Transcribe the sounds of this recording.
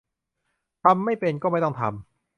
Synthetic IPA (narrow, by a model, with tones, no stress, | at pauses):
t̪ʰa˧mːa˥˩jpe˧nkɔː˥˩ma˥˩jt̪ɔ˥˩t̪ʰa̰˧m